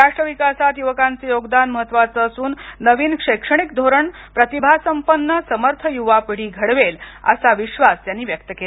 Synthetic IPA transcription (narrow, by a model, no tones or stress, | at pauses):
ɾaʂʈɾəʋikasat̪juʋəkãnt͡sejoɡd̪anməɦət̪ːʋat͡səːsuːnːəʋiːnkʂekʂəɳik̚d̪ʱoɾəɳ | pɾət̪ibʱasəmpənːəsəməɾt̪ʰəjuʋapiɽ̤iːɡʱəɽʋelə̰saʋiɕʋast̪janːiːʋjək̚t̪əkela